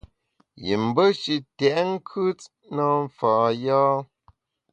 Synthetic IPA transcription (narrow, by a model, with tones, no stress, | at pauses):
jḭ˨m̩˨bə˦ʃi˨tɛ˨ʔŋ̩˦kʰʉ˦t | nə˦ɱ˨faː˨jaː˦